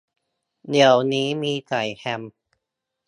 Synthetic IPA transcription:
ni˨˩˦əwniː˦˥miː˧t͡ɕa˨˩jhɛ˧m

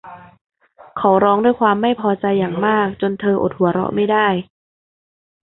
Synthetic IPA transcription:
kʰa˨˦wɾɔː˦˥ŋdu˥˩jkʰwaː˧mːa˥˩jpʰɔː˧t͡ɕa˧jːaː˨˩ŋmaː˥˩k̚t͡ɕo˧nt̪ʰɤː˧ʔo˨˩t̪̚hu˩˦ɐɾɔ̰˧˥ʔma˥˩jdaː˥˩j

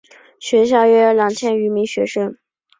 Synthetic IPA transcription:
ɕɥɛ˧˥ɕ̬jɑ˥˩ʊɥɛ˥˩˥ljɑ˨˩ŋt͡ɕʰjɛ˥˩ny˧˥mi˧˥ŋɕɥɛ˧˥ʂə˥ŋ

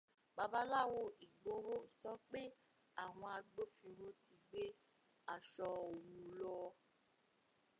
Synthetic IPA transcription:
ba˧ba˦la˦˨wo˧i˨ɡ͡bo˧˦ɾo˦˨sɔ˦k͡pe˦ | a˦˨w̃ɔ̃˧a˧ɡ͡bo˦fĩ˧ɾo˧ti˧ɡ͡be˦ | a˨ʃɔ˧o˨wũ˨˧lɔ˧

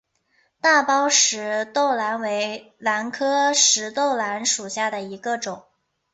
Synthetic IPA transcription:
t̪a˥˩pɑ˥ʊʂɻ̩˧˥t̪o˥˩ʊla˧˥nwe˧˥ɪ | la˧˥nkʰɤ˥ʂɻ̩˧˥t̪o˥˩ʊla˧˥nʂu˨˩ɕja˥˩d̪ə˩i˧˥ɡə˧ʈ͡ʂʊ˨˩˦ŋ

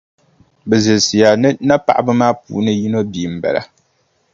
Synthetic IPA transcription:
bɛ˨zɨ˨si˨ja˨nɨ˦na˦pa̰˨ʔa˦bɨ˦maː˦pṵː˨˦nɨ˦ji˦no˦biː˨m̩˨ba̰˨la̰˦

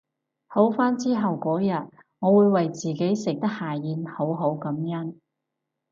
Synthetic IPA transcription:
ho˨˥wfaː˥nt͡siː˥ɦɐ˨wkɔː˨˥jɐ˨t̚ | ŋɔː˨˧wuː˨˧jwɐ˨jt͡siː˨˩ke˨˥jsɪ˨k̚t̪ɐ˥k̚haː˨˩jiː˨˧nho˨˥wɦo˨˥wkɐ˨˥mjɐ˥n

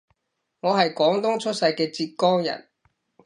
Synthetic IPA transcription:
ŋɔː˨˧ɦɐ˨jkɔː˨˥ŋt̪ʊ˥ŋt͡ʃʰɵ˥t̚sɐ˧jkɛː˧t͡siː˧t̚kɔː˥ŋjɐ̰˨˩n

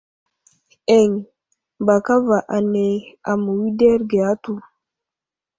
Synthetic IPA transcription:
e˨ŋ | ba˨ka˦va˨ʔa˨ne˨a˨mu˨wi˦de˦ɾɡe˨a˦tu˨

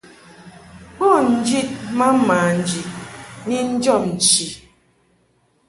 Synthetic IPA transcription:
ɔ˦˨n̩˦d͡ʒi˦t̚ma˦maː˨n̩˦˨d͡ʒi˨t̚ni˦n̩˦d͡ʒɔ˦˨mn̩˨t͡ʃi˨

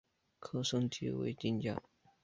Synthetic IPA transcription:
kʰɤ˥˧ʂɤ˥ŋt̪ʰḭ˧˥wḛ˧˥ɪt͡ɕi˥nt͡ɕja̰˥˩

